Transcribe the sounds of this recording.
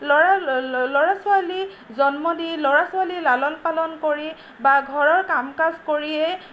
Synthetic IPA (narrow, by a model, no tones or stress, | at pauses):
lɔalɔɹasʊali | zɔnmɔdilɔɹasʊalilalɔnpalɔnkoɹi | baɡʱɔɹɔɹkamkazkoɹiɛ